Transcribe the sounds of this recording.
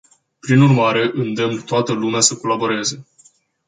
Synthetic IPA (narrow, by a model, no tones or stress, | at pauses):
pɾinurmaɾe̞ʔɨnd̪emnt̪oat̪əlumeasəko̞labo̞ɾe̞ze̞